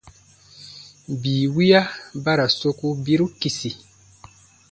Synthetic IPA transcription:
biː˨wi˦a˦ba˦ɾa˨so˦ku˦bi˦ɾu˦ki˨si˨

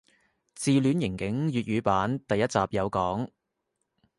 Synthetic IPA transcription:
t͡siː˨lyː˨˥njɪ˨˩ŋkɪ˨˥ŋjyː˨t̚jyː˨˧paː˨˥nt̪ɐ˨jɐ˥t̚t͡saː˨p̚jɐ˨˧wkɔː˨˥ŋ

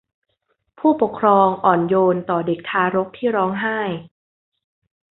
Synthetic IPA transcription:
pʰuː˥˩po˨˩kʰɾɔː˧ŋʔɔː˨˩njoː˧nt̪ɔː˨˩de˨˩k̚t̪ʰaː˧ɾo˦˥k̚t̪ʰiː˥˩ɾɔː˦˥ŋɦaː˥˩j

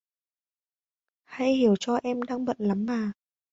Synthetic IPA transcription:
ha̰˧jhi˧˩əwt͡ɕɔ˧ʔɛ˧mɗaː˧ŋɓə̰˧˨nla˨˦mːaː˨˩

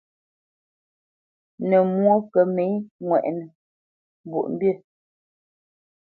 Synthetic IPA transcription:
nə˨mwo˦kə˨me˨˦ŋwɛ̰˨ʔnə˨ | m˨bṵ˨ʔm̩˦bje˦˨

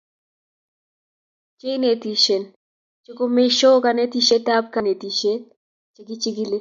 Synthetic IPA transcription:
t͡ʃe˦ne˨t̪i˨ʃe˨n | t͡ʃɪ˦ko˦me˦ʃo˦ka˨ne˦ti˦ʃe˦ta˦p̚ka˨ne˨ti˨ʃe˦ | t͡ʃɪ˦ɡi˦t͡ʃi˦ɡi˦le˦

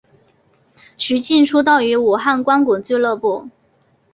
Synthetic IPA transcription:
ɕy˧˥t͡ɕi˥˩nʈ͡ʂʰu˥t̪̬ɑ˥˩ʊy˧˥u˨˩xa˥˩nkwa˥nku˨˩ŋt͡swe˥˧ɪlɤ˥˧pu˥˩

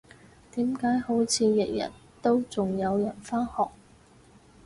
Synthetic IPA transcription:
t̪iː˨˥mkaː˨˥jho˨˥wt͡sʰiː˨˧jɛ˨k̚jɐ̰˨˩nt̪o˥wt͡sʊ˨ŋjɐ˨˧wjɐ˨˩nfaː˥nhɔː˨k̚

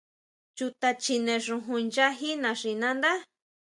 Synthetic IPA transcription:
t͡ʃu˧t̪a˧t͡ʃi˧nẽ˧ʂũ˧ɦũ˧nd͡ʒa˦ɦi˦nã˧ʂi˧˨nã˦nd̪a˦

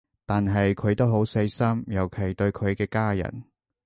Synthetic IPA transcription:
t̪aː˨nɦɐ˨jkʰɵ˨˧ɥt̪o˥wɦo˨˥wse˧jsɐ˥mjɐ˨˩wkʰe˨˩jt̪ɵ˧ɥkʰɵ˨˧ɥkɛː˧kaː˥jɐ̰˨˩n

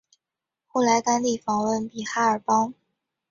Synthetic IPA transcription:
xo˥˩ʊla˧˥ɪt̪a˥nli˥˩fɑ˨˩ŋwə˥˩npi˨˩xa˥ə˞˨˩pɑ˥ŋ

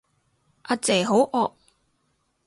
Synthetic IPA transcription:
ʔa˧t͡sɛː˨˩ɦo˨˥wʔɔː˧k̚

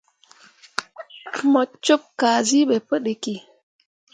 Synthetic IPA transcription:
mɔ˨t͡ʃo˦p̚ka˨zi˦ɓe˨pə˦ɗe˨ki˨

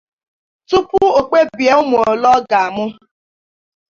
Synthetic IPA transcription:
tu˦pʊ˦o˨k͡pe˦bja˦ʊ˦m˨o˨lɔ˦ɡa˨mʊ˦

